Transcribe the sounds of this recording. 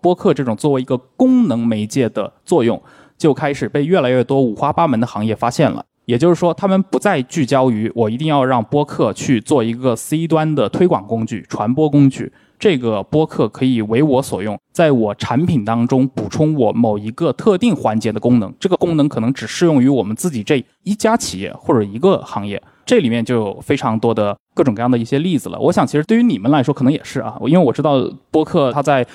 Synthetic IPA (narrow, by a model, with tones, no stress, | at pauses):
pwɔ˥kʰɤ˥˧ʈ͡ʂɤ˥˩ʈ͡ʂʊ˨˩ŋt͡swɔ˥˩we˧˥ɪi˧˥ɡə˧kʊ˥ŋnɤ˧˥ŋme˧˥ɪt͡ɕjɛ˥˩d̪ə̰˩t͡swɔ˥˧jʊ̰˥˩ŋ | t͡ɕjo˥˩ʊkʰa˥ɪʂɻ̩˨˩pe˥˧ɪɥɛ˥˩la˧˥ɪɥɛ˥˩t̪wɔ˥u˨˩xwa˥pa˥mə˧˥nd̪ə˧xɑ˧˥ŋjɛ˥˩fa˥ɕjɛ˥˩nlə̰˩ | jɛ˨˩t͡ɕjo˥˧ʂɻ̩˥˩ʂwɔ˥t̪ʰa˥mə˨npu˧˥t͡sa˥˧ɪt͡ɕy˥˩t͡ɕjɑ˥ʊy˧˥wɔ˨˩i˧˥t̪̬i˥˧ŋjɑ˥˧ʊɻɑ˥˩ŋpwɔ˥kʰɤ˥˧t͡ɕʰy˥˧t͡swɔ˥˩i˧˥ɡə˧s̩˥i˥t̪wa˥nd̪ə˨t̪ʰwe˥ɪkwɑ˨˩ŋkʊ˥ŋt͡ɕy̰˥˩ʈ͡ʂʰwa˧˥npwɔ˥kʊ˥ŋt͡ɕy̰˥˩ | ʈ͡ʂɤ˥˩ɡə˩pwɔ˥kʰɤ˥˩kʰɤ˧˥i˨˩we˧˥ɪwɔ˧˥swɔ̰˨˩jʊ˥˩ŋt͡sa˥˩ɪwɔ˨˩ʈ͡ʂʰa˧˥npʰi˨˩nt̪ɑ˥ŋʈ͡ʂʊ˥ŋpu˨˩ʈ͡ʂʰʊ˥ŋwɔ˧˥mo˨˩ʊi˧˥ɡə˧t̪ʰɤ˥˧t̪i˥˩ŋxwa˧˥nt͡ɕjɛ˧˥d̪ə˧kʊ˥ŋnɤ˧˥ŋʈ͡ʂɤ˥˩ɡə˩kʊ˥ŋnɤ˧˥ŋkʰɤ˨˩nɤ˧˥ŋʈ͡ʂɻ̩˨˩ʂɻ̩˥˧jʊ˥˩ŋy˧˥wɔ˨˩mə˦nt͡sɹ̩˥˩t͡ɕi˨˩ʈ͡ʂɤ˥˩ | i˥t͡ɕja˥t͡ɕʰi˨˩jɛ̰˥˩xwɔ˥˩ʈ͡ʂɤ˨˩i˧˥ɡə˧xɑ˧˥ŋjɛ̰˥˩ | ʈ͡ʂɤ˥˩li˨˩mjɛ˥˧nt͡ɕjo˥˩ʊjo˨˩ʊfe˥ɪʈ͡ʂʰɑ˧˥ŋt̪wɔ˥d̪ə˨kɤ˥˩ʈ͡ʂʊ˨˩ŋkɤ˧jd̪i˥˩ɕjɛ˥li˥˩d͡zɹ̩˨˩lə̰˩wɔ̰˧˥ɕjɑ˨˩ŋt͡ɕʰi˧˥ʂɻ̩˧˥wy˧˥ni˨˩mə˦nla˧˥ɪʂwɔ˥kʰn˧˥jɛ̰˨˩ʂɻ̩˥˩ɐ̰˩˦i˥nwe˥˩ɪwɔ˨˩ʈ͡ʂɻ̩˥t̪ɑ˥˩ʊpwɔ˥kʰɤ˥˩t̪ʰa˥t͡sa˥˩ɪ